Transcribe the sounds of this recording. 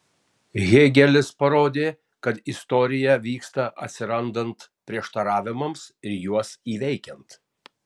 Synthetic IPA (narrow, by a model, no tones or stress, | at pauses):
ɣʲeːɡʲɛlʲɪspɐɾoːd̪ʲeː | kɐt̪ɪst̪ɔːɾʲɪjɛʋʲiːkst̪ɐʔɐ̰t̪ʲsʲɪɾɐnd̪ɐnt̪pʲɾʲiɛʃt̪ɐɾɑːʋʲɪmɐmsɪɾjuɔsiːʋʲɛɪkʲɛnt̪